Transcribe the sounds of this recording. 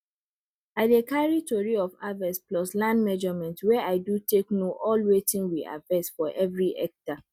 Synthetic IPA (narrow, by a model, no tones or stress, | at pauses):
atekaɹitʰɔɹiɔfavɛsplɔslãndmɛd͡ʒɔmɛ̃ntwɛʔaɪduteknoʔɔlwetĩnwiʔa̰vɛsfɔʔɛvɹiʔɛ̰k̚ta